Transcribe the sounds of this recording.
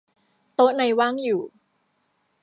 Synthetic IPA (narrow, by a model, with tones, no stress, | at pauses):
t̪o˦˥na˧jwaː˥˩ŋjuː˨˩